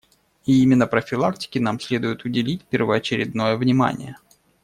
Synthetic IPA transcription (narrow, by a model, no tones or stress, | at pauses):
iimʲɪnːəpɾəfʲɪlˠak̚tʲɪ̥kʲɪnamsʲlʲed̪ʊjʊt̪ʊdʲɪlʲit̚ʲpʲɪrvəːt͡ɕɪɾʲɪd̪no̞jəvnʲɪma̰nʲɪ̰jə